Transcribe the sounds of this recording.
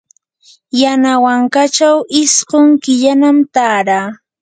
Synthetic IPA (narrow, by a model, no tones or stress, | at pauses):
janawaŋkat͡ʃawɪsɢoŋkɪʎanamt̪aːɾaː